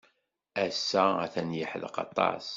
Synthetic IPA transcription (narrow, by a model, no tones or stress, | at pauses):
æsːææ̰θænjəħðqɑ̰t̪ˤːɑ̰s